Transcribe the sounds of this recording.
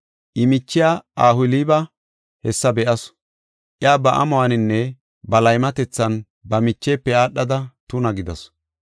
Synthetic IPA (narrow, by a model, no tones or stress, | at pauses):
ʔɪmɪt͡ʃːɪjaːaːɦʊliːbɐ | hɛsːɐbɛʔɐs | ʔɪaːbɐʔɐ̰mɔwɐnɪnːɛ | bɐlɐjmɐt̪ɛt͡sːɐn | bɐmɪt͡ʃːeːpːɛaːɗːɐd̪ɐt̪ʊnɐɡɪd̪ɐs